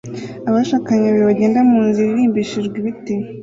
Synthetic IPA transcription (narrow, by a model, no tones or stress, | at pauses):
aβaʃakaɲaβeβaɟeːndamuːnziɾiɾiːmbiʃiʒɡwiβite